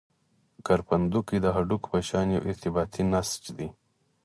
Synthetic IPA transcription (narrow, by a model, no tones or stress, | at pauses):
kaɾpɐnd̪ukid̪əɦaɖukpəʃɑːnḛwʔɪɾt̪ɪbɑːt̪ʰinast͡ʃd̪i